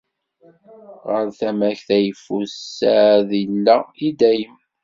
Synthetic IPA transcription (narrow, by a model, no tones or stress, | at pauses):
ʁəɾθæmæçθæjəfusːæðilːæid̪æjəm